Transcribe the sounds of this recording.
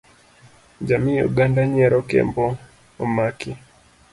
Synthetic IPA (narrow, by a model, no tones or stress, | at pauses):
d͡ʒamiṵɡandaɲɛɾɔkɛ̰mbɔ | ɔmaki